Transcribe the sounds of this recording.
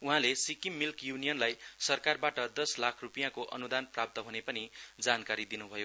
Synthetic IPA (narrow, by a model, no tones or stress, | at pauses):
uɦãlesikimːilkjunijʌnlajsʌrkarbaʈʌd̪ʌslakʰrupijãkoʔʌ̰nud̪anprap̚t̪ʌɦunepʌnid͡zankaɾid̪inubʱʌjo